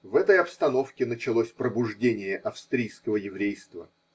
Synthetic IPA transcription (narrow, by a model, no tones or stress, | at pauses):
vɛt̪əjɐpst̪ɐno̞fkʲɪnət͡ɕɪlˠosʲpɾəbʊʐdʲenʲɪjəʔɐfst̪ɾʲijskəvəjɪvɾʲejst̪və